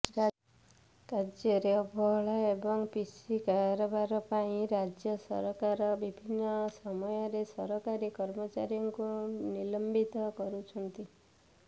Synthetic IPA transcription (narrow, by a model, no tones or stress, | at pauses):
kad͡ʒjɔɾeɔbʱɔɦɭaebɔŋpisikaɾɔbaɾɔpaĩɾad͡ʒjɔsɔ̰ɾɔkaɾɔbibʱinːɔsɔmɔjɔɾesɔɾɔkaɾikɔɾmɔt͡ʃaɾjɔŋkunilɔmbit̪ɔkɔɾut͡ʃʰɔnt̪i